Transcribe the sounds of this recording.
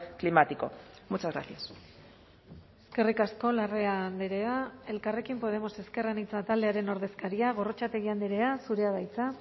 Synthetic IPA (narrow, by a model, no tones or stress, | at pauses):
klimat̪iko̞̰mut͡ʃazɣɾa̰sias | eske̞rikasko̞lare̞and̪iɾe̞ae̞lkare̞kimpo̞ð̞e̞mo̞se̞ske̞ranit͡sat̪ald̪e̞aɾe̞no̞ɾðe̞skaɾiaɣ̞o̞ro̞t͡ʃat̪e̞ɣ̞iand̪iɾe̞asuɾe̞aðajt͡sa